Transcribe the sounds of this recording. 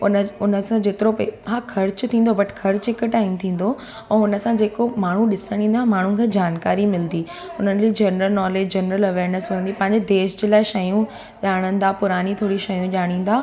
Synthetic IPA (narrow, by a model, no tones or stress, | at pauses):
ʊnəʊnəsãd͡ʑeːt̪ɪɾopeɦaːkʰɐɾt͡ɕʊt̪ʰĩːnd̪obɐʈkʰɐɾt͡ɕɦɪkʈaːɪmt̪ʰĩːn̆d̪o | ɛ̃ːʊnəsãd͡ʑeːkomaːɳ̤uɗɪsəɽ̃ĩːn̆d̪amaːɳ̤ũkʰeːd͡ʑaːnkaːɾimɪld̪iː | ʊn̤ənlid͡ʑɐnɾəlnɔːleːd͡ʑd͡ʑɐnɾəlɐʋeːɾnəsʋɐɾə̃nd̪ipɐ̃ɦɪ̃ɲd͡ʑed̪eːʃd͡ʑelaːɪʃɐjũ | ʄaːɽ̃ə̃n̆d̪aːpʊɾaːnit̪ʰoːɽiʃɐjũʄaːɽ̃ĩːn̆d̪aː